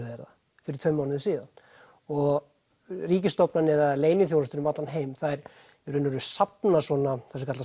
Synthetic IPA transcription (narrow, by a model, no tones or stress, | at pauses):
vɛɾða | fɪɾɪɾ̥t̪fœmːaːwnɪðsiːðan | ɔɣ | riːcɪst̪ɔwpnanɛðaðleːjnɪθjowlast̪ʏɾʏmat̪lanɦeːjmθaɛɾ | ɛɾʏnːʏɾʏsapnasvɔnaθɛsɪkʰat̪a